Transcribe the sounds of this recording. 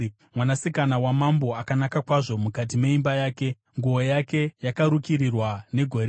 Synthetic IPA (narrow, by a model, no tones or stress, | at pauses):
mwanasikanawamambo̞akanakakwaʐo̞mukat̬ime̞imbajaːke̞ | ŋɡuojake̞jakaɾukiɾirwane̞ɡʱo̞ɾe